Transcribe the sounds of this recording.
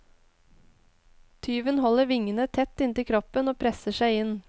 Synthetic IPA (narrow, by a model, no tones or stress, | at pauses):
t̪ʰyːʋənhɔləɾʋɪŋənət̪ʰɛt̪ːɪnt̪ɪkʰɾɔpənoːpʰɾɛsəʃæɪɪn